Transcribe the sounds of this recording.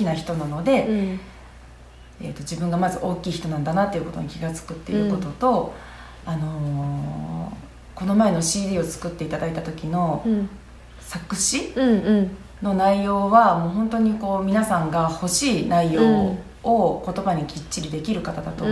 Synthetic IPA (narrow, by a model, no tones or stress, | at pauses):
kʲinaçi̥t̪o̞nano̞d̪e̞ | ḛt̪ːo̞d͡ʑibɯ̟̃ŋɡamazɨʔo̞ːkʲiːçi̥t̪o̞nãnd̪anat̪ːe̞iɯ̟ko̞t̪o̞̰ɲ̟ikʲiɡat͡sɨ̥kɯ̟t̪ːe̞̰ɯ̟ko̞t̪o̞t̪o̞ | ano̞ | ko̞no̞mae̞no̞ɕiːd̪ʲiːo̞t͡sɨ̥kɯ̟t̪ːe̞it̪ad̪ait̪at̪o̞kʲino̞ | sakɯ̟ɕi | no̞naijo̞ːβamoːɦõ̞nt̪o̞ɲ̟iko̞ːmʲinasãŋɡaho̞ɕiːnaijo̞ː | kot̪o̞baɲ̟ikʲit͡ɕt͡ɕːiɾʲid̪e̞kʲiɾɯ̟kat̪ad̪at̪o̞